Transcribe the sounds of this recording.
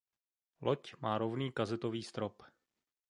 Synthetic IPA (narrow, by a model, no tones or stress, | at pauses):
lʔocmaːɾovniːkazɛt̪oviːst̪ɾop